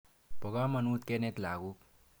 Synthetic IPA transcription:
pɔɡamʌnut̪kenet̪laɡuk

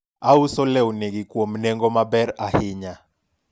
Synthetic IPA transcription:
ausɔlɛuneɡikwomnɛŋɡɔmabɛɾahɪɲa

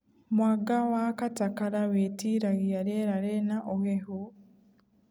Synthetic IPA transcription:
mwaɡawakatakaɾawetiɾaɣijaɾeːɾaɾenaʔohehu

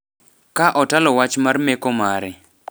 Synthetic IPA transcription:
kaʔɔtalɔwat͡ʃmarmɛkɔmaɾɛ

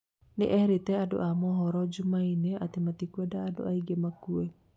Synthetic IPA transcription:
nḭʔɛɾit̪ɛado̰ʔamɔɦɔɾɔd͡ʒumainɛat̪emat̪ikuɛdaːdo̰aiɡemakuɛ

